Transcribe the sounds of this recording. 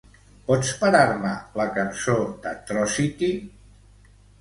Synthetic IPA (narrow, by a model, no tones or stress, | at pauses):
pɔspəɾaɾmələkənsod̪ət̪ɾɔsit̪i